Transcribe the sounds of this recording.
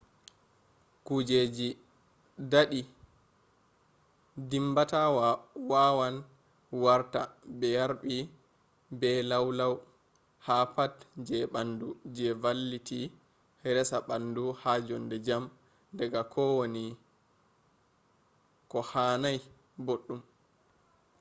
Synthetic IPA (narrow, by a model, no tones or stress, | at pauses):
kud͡ʒed͡ʒi | daɗi | dimbatawawawan | waɾtabɛjaɾɓi | bɛlawlaw | hapatd͡ʒɛɓandud͡ʒɛvalːiti | ɾɛsaɓanduhad͡ʒɔndɛd͡ʒam | dɛɡakʰɔwoni | kɔhaːnaj | boɗːum